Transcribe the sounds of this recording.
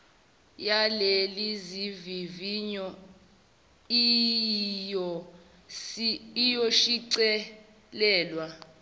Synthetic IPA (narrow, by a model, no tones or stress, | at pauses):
jaleliziviviɲɔ | i | jɔ | ijoʃiǀɛ | lɛːlwa